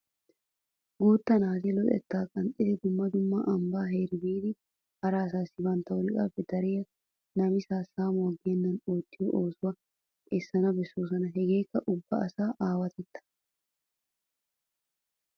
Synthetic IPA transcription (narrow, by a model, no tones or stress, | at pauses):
ɡuːt̪ːɐnaːzɛlɔt̪ʼɛ̰t̪ːaːkʼɐnt̪ʼːɪd̪ɛd̪ʊmːɐd̪ʊmːɐʔɐmbaːɦeːɾɪbiːd̪ɪ | hɐɾaːs̬aːsːɪbɐnt̪ːɐwʊɾɪkʼaːpːɛd̪ɐɾɪjɐ | nɐmɪsaːsaːmɔɐɡeːnːɐnoːt̪ːɪjɔʔoːsʊwɐ | ɛsːɐnɐbɛsːoːs̬ɐnɐɦɛɡe̞ːkːɐʔʊbːɐ̰ʔɐsaːʔaːwɐt̪ɛt̪ːɐ̥